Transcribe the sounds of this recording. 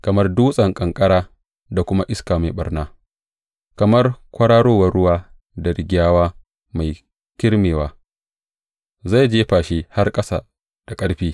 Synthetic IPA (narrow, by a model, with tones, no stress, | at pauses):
kɐ˨mɐ˦rduː˦sʼɐ˨ŋkʼɐ˨ŋkʼɐ˦ɽaː˦ | da˨kʷʊ˦ma˦ʔɪ˦skaː˨ma˨jɓɐ˦rnaː˦ | kɐ˨mɐ˦rkʷɐ˦ɽaː˦ɽoː˦wɐ˦rɽʊ˦waː˦ | dɐ˨ɾɪ˨ɡʲaː˦waː˦ | ma˨j | kʲɪ˦ɾmeː˨waː˦ | za˦˨jd͡ʒeː˦ɸaː˨ʃeː˦ha˦rkʼɐ˦sa̰ː˨ | d̥a˨kʼɐ˦ɽɸiː˦